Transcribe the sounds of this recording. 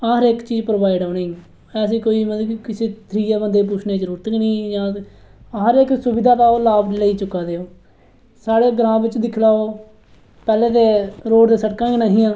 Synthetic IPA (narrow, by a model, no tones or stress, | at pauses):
əɦəɾekt͡ʃiːd͡ʒpɾoːʋaːɪɖoːnẽː | ɛːəs̬ĩːkoːiːmət̪ːkɪseːt̪ʰɾiːaːbənd̪eːp̬uːt͡ʃʰneːd͡ʒəɾuːɾət̪əknĩːjãː | ɦəɾeksʊbɪd̪ʱaːt̪aːoːlaːbleiːt͡ʃʊkːaːd̪eːoː | saːɽeːɡəɾãːbɪt͡ʃd̪ɪkʰlaːoː | pɛːleːd̪eːɾoːɽd̪eːsəʈkãːɡnaːɦĩːjãː